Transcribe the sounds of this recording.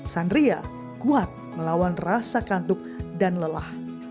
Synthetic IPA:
sandɾia | kuat̪̚məlawanrasakant̪ʊk̚danləlah

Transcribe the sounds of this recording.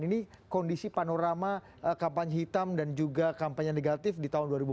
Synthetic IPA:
nini | kɔndisipanoɾama | kampaɲɦit̪amdand͡ʒuɡakampaɲaneɡat̪ɪfdit̪aɦʊnduaɾibu

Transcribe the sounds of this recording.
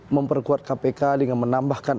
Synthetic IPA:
məmpərkuat̪̚kapekadəŋanmənambahkan

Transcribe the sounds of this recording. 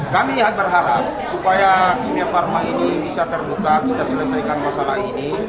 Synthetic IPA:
kamiɦat̪̚bərɦaɾap̚supajaimafarmainibisat̪ərbukat̪id̪asələsajkanmasalaɦini

